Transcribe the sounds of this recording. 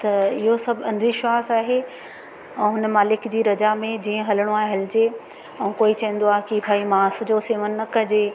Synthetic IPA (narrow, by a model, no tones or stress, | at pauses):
t̪ɐɪɦosɐbʱɐ̃nd̪ʱʋiʃwaːsaːɦe | ɛ̃ːɦʊnəmaːlɪkd͡ʑiːɾɐd͡ʑamẽd͡ʑiːə̃ɦɐləɽ̃oaːɦeɦɐlɪd͡ʑe | ɐ̃ũkoːit͡ɕɐ̃ə̃n̆d̪oaːɦekibʱaːimãːs̆d͡ʑoːseːʋənːɐkɐd͡ʑe